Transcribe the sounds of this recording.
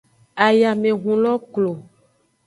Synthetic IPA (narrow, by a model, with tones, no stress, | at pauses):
a˨ja˨mẽ˨ɦũ˨lɔ˦klo˨